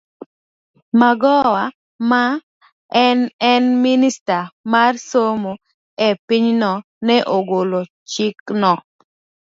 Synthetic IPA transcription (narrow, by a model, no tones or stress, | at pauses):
maɡɔwa | ma | ɛnɛnministamarsomo | ɛpiɲnɔ | nɛʔoɡolo | t͡ʃiknɔ